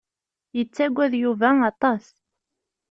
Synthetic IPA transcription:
jət͡sːæɡʷːæðjuvæɑt̪ˤɑs

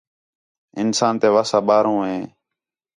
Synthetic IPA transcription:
ɪnsaːnt̪eːʋaːsaːɓaːɾõːɦẽː

